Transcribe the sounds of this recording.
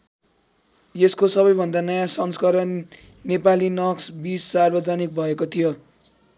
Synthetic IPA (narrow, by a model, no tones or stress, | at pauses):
eskosʌβʌjbʱʌnd̪anʌjãsʌnskʌɾʌn | nepalinʌksbissarbʌd͡zanik̚bʱʌekot̪ʰijo